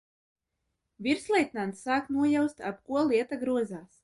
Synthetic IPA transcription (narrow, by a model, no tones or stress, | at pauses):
viɾslˠɛjt̪nant̪sːaːknuɔjawst̪apkuɔlˠiɛt̪aɡɾuɔzaːs